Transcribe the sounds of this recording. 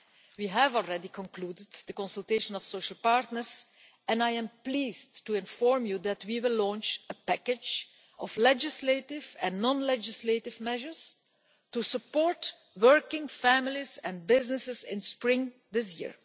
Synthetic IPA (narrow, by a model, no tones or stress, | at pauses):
wiːɦævɔlˠɹɛdikɔ̃nkluːdəddəkɔ̃nsəlˠteɪʃə̃nɔfsoʊʃəl̩ˠpaɹtnəɹz | ɛ̃najɛ̃mpliːz̥tuɪ̃nfɔɹmjud̪ætwiwɪlːɔ̃ːnt͡ʃəpækɪd͡ʒ | ʔɔflɛd͡ʒɪsletɪvɛ̃nːɔ̃nlɛd͡ʒɪsletɪvmɛʒəɹs | tusəpɔːɹt | wɜɹkɪ̃ŋfæmɪlizɛ̃nbɪznɪsɪzɪ̃nspɹɪ̃ŋ | d̪ɪs̬jɪ̰ɹ